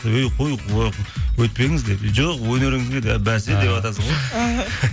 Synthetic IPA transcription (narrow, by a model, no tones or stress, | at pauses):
wɵjqʰo̞jqʰuɑqwɵt̪̚pe̞ŋɪzd̪e̞pʒoqwɵne̞ɾɪŋɪzɡʲed̪æbænsed̪e̞pɑt̪ɑsəzʁo